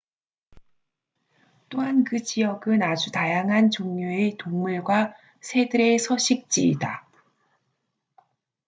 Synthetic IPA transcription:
t͈oɦankɯt͡ɕijʌɡɯnad͡ʑutajaŋɦant͡ɕoŋɲjoetoŋmuɭɡwa | sʰe̞dɯɾe̞sʰʌɕʰik̚t͡ɕ͈ḭːda

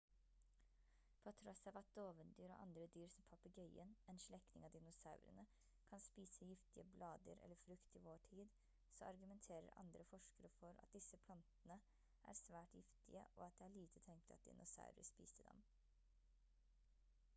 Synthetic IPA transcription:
pʰoːt̪ʰɾɔsːɑːʋɑt̪̚d̪̥oːʋənd̪yːɾo̰ːʔɑ̰nd̪ɾəd̪yːɾsɔmpʰɑpəɡœʏənɛnʂɭɛknɪ̰ŋɑːʋd̪ɪnʊsɑʉɾə̰nə | kʰɑnspiːsəjɪft̪ɪəblɑːd̪əɾɛ̰lːəɾfɾʉkt̪iːʋoːʈʰiːd̪ | soɑɾɡʉmɛnt̪ʰeːɾə̰ɾɑ̰nd̪ɾəfɔʂkəɾəfɔɾɑ̰t̪̚d̪ɪsəpʰlɑnt̪ənə | ʔæ̰ːɾsʋæːʈjɪft̪ɪ̰ə̰ʔɔːɑt̪̚d̪ɛːæɭiːt̪ʰət̪ʰɛŋt̪ʰəɑt̪̚d̪ɪ̰nʊsɑ̰ʉɾə̰spḭːsəd̪ɛ̰m

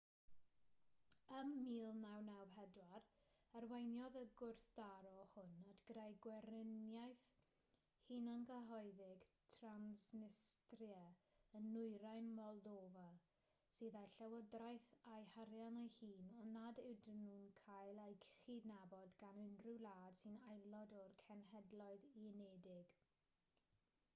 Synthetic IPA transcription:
əmːiːlˠnawnawɦɛdwarərwejnjɔðəɡʊrθd̥aɾɔhʊnadʰɡ̥ədajɡwɛrɪnjajθ | hiːnənɡəɦɔɨðɪɡ̥tʰransnɪstrjɛ | ənːʊɨɾajnmɔlˠdoːva | siːðajɬɛwɔdrajθajhaɾjanajhiːnɔnadɪwdənuːnkʰajlˠajkʰχidnabɔdɡanɪndrulˠaːd̥sinajlˠɔdɔrkʰɛnɦɛdlˠɔɨðineːdɪɡ̥

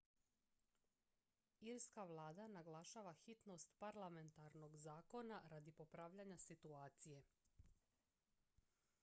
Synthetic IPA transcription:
iɾskaʋlˠaːd̪anaɡlˠaʃaːʋaxit̪no̞st̪paɾlˠame̞nt̪aɾno̞ɡzaːko̞naɾad̪ipopɾaːʋʎaɲasit̪uaːt̪sije̞

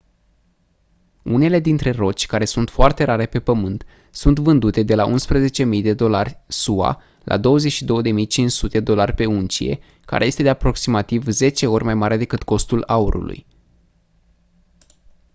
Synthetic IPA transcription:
une̞le̞d̪int̪ɾe̞ro̞t͡ʃʲkaɾe̞sunt̪foart̪e̞ɾaɾe̞pe̞pəmɨnt̪ | sunt̪vɨnd̪ut̪e̞d̪e̞laʔunspɾəze̞t͡ʃe̞mijd̪e̞d̪o̞larʲsua̰ | lʔa̰d̪o̞wəzet͡ʃʃid̪o̞wəd̪e̞mijt͡ʃint͡ʃsut̪eed̪o̞larʲpe̞unt͡ʃḭje̞̰ | ka̰ɾe̞je̞st̪e̞d̪e̞apɾo̞ksimat̪ivze̞t͡ʃe̞o̞rʲmajmaɾʲed̪e̞kɨt̪ko̞st̪ulauɾʔṵlṵj

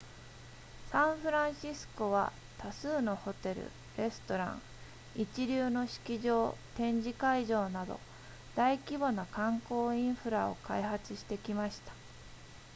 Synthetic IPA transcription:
sãɰ̃ɸɯ̟ɾãɰ̃ɕisɨ̥ko̞β̞a̰ | t̪asɨːno̞ho̞t̪e̞ɾɯ̰ | ɾe̞sɨ̥t̪o̞ɾã̰ŋ | it͡ɕiɾʲɨːno̞ɕi̥kʲiʑo̞ːt̪ẽ̞ɲ̟d͡ʑikaiʑo̞ːnad̪o̞̰ | d̪̥aikʲibonokãŋko̞ːĩɰ̃ɸɯ̟ɾao̞̰kaihat͡sɨɕi̥t̪e̞kʲimaɕi̥t̪ḁ

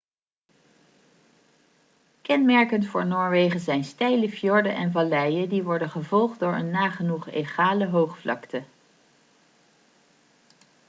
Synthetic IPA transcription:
kɛnmɛɹkəntfʊːɹnoːɹʋejχəzɛjnstɛjləfjɔɹdənʔɛnvɑlɛjədiʋɔɹdənχəvɔlˠχddʊːɹə̰nːaːχənuχeχaːləɦowχflɑ̰ktə

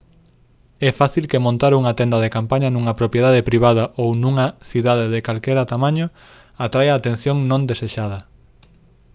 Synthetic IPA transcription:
ɛfaθilkemõnt̪aɾuŋat̪ɛnd̪ɐðekampaɲɐnuŋɐpɾopjeðaðepɾiβ̞aðɐʔownũŋɐθiðaðeðekalkɛɾɐt̪amãɲo | at̪ɾajaːt̪ẽn̟θjõŋnõnd̪eseʃað̞ɐ

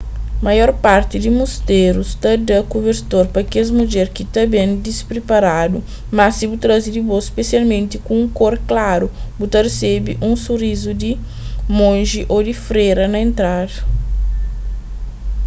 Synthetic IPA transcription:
majɔɾpaɾt̪ɪd̪ɪmust̪eɾust̪ɐd̪ɐkobeɾt̪oɾpɐkezmud͡ʒɛɾkɪt̪ɐbẽnd̪ispɾepaɾad̪u | masibut̪ɾazid̪ɪbosspesialmẽnt̪ɪkũũkoɾklaɾubut̪ɐresebiʔũsuɾizud̪ɪ | mõnʒiʔod̪ɪfɾeɾɐnɐẽnt̪ɾaɾ

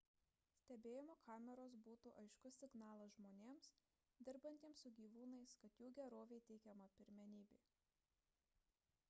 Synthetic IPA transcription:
sʲt̪ʲɛbʲeːjɪmoːkʰɑːmʲɛɾoːsbuːt̪uːʔɐɪʃkʊsʲɪɡnɑːlˠɐsʒmoːnʲeːms | d̪ʲɪɾbɐnʲt̪ʲieɛmsʊɡʲiːʋuːnɐɪskɐt̪juːɡʲɛɾoːʋʲeɪt̪ʲɛɪkʲɛmɐpʲɪɾʲmʲɛnʲiːbʲeː

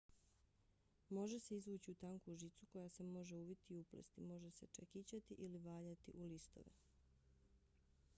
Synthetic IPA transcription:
mo̞ʒe̞se̞izʋuːt͡ɕiut̪aŋkuʒit̪sukojase̞mo̞ʒe̞ubit̪iːuplḛst̪imo̞ʒese̞t͡ʃekit͡ɕat̪iʔiliʋaːʎat̪ḭʔulist̪o̞̰ʋḛ

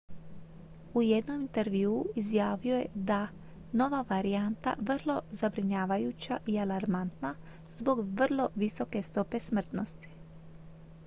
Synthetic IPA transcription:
ujed̪no̞mint̪eɾʋiuːizjaːʋio̞je̞̰d̪a | no̞ʋaʋaɾiant̪a̰ʋr̩lˠo̞zabɾiɲaːʋajuːt͡ɕa̰ʔialaɾmant̪na | zbo̞ɡʋr̩lˠo̞ʋiso̞ke̞st̪o̞pe̞smr̩t̪no̞st̪i̥

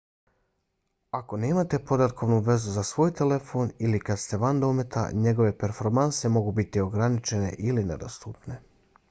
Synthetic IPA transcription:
ako̞neːmat̪e̞po̞d̪at̪̚ko̞ʋnuʋe̞zuzasʋo̞ːjt̪e̞le̞fo̞ːnilikad̪st̪e̞ʋand̪o̞me̞t̪ʰa̰ɲe̞ɡo̞ʋe̞pe̞ɾfo̞ɾmansemo̞ɡubit̪io̞ɡɾanit͡ʃe̞ne̞̰ʔiline̞̰d̪o̞̰st̪uːpne̞

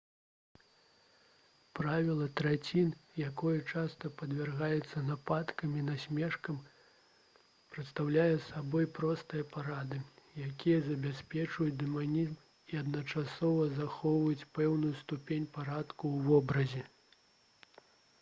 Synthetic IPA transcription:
pɾavʲilˠɐt̪ɾɛt͡sʲinjakɔjɐt͡ʂast̪ɐpɐd̪vʲɛrɣajɛt̪sːɐnapat̪kɐmʲinasʲmʲɛʂkɐm | pɾɨt̪st̪awlʲajɛsabɔjpɾɔst̪ɨjɐpaɾad̪ɨjakʲijɐzɐbʲasʲpʲɛt͡ʂvɐjud̪ɛmanʲizm | iɐd̪nɐt͡ʂasɔvɐzaxɔwvɐjut͡sʲpɛwnujust̪upʲenʲpaɾat̪kuwvɔbɾɐzʲɛ

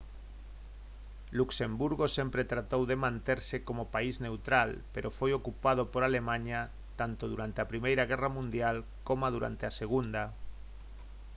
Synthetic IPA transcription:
luksembuɾɣosempɾet̪ɾat̪owðemãnt̪eɾsekomopaiznewt̪ɾalpeɾʔofojokupað̞opoɾalemãɲa | t̪ant̪oðuɾant̪eapɾimejɾaɣ̞ɛramũnd̪jal | komað̞uɾa̰nt̪easeɣ̞und̪a

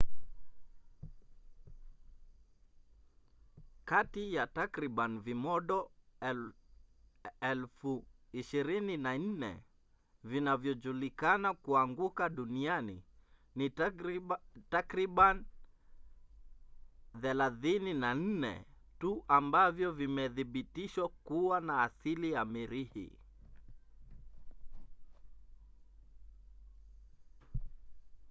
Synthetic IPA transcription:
katijatakɾiɓanvimɔɗɔ | ɛlfuiʃiɾininan̩nɛ̰ | vinavjɔd͡ʒulikanakuaŋɡukaɗunianḭ | ni | takɾiɓan | θɛlaθininan̩nɛ̰ | tuʔambavjɔvimɛðiɓitiʃwakuwanaːsilijamiɾihḭ

